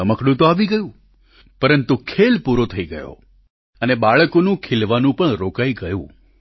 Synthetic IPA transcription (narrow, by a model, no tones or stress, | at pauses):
əməkɽũt̪oaʋiɡəjũ | pəɾənt̪ukʰelpuɾot̪ʰəiɡəjo̰ | ənebaɭkonũkʰelʋanũpəɳɾokaiɡəjṵ̃